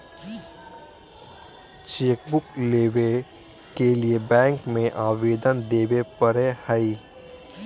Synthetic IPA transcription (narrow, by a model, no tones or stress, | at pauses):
t͡ʃeːkbʊkleːʋe | keliebɛ̃ːŋkmẽʔaːʋeːd̪ənd̪eːʋepəɾehəi